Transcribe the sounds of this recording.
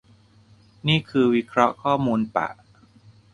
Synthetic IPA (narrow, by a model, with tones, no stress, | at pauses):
niː˥˩kʰɯː˧wi˦˥kʰɾɔ˦˥ʔkʰɔː˥˩muː˧npa̰˨˩ʔ